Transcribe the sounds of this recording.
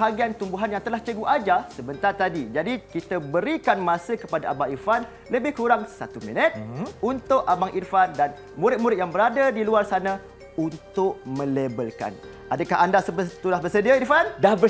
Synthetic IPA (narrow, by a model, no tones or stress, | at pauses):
ɦaɡiant̪umbuɦanjaŋt̪əlaht͡ʃəɡuʔad͡ʒasəbənt̪art̪adid͡ʒadikit̪abəɾikanmãsəkəpadaʔabaŋirfan | ləbɪhkuɾaŋsa̰t̪umḭnət̪̚unt̪ʊʔabaŋʔirfandan | muɾɪt̪̚muɾɪt̪̚jaŋbəɾadadiluarsanã | unt̪ʊʔ̚mə̃lebəlka̰n | ʔadəkaɦandasəbət̪ulahbərsədiairfandabə